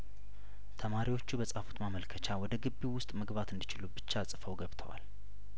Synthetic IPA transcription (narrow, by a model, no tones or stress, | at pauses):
t̪ʰəmaɾiwo̞t͡ʃːubəsʼafu̥t̪maməlkʰət͡ʃʰawɔd̪əɡɨbːiwʊst̪ʼməɡbat̪ɨnd̪it͡ʃɪlubɨt͡ʃːasʼɨfəwɡəβt̪ʰə̰wa̰l